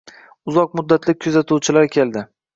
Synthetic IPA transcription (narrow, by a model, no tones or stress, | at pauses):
ʊzɒq̚mʊd̪ːat̪ʰlɪkʲʰɵzat̪ʰuwt͡ʃʰɪlaɾkʲʰe̞ld̪ɪ